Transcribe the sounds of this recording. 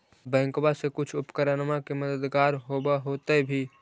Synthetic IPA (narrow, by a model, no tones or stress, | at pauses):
bɛ̃ːŋkbasekʊt͡ʃʰʊpkəɾənmakeməd̪əd̪ɡaːɾɦoːbaɦoːt̪ebʱi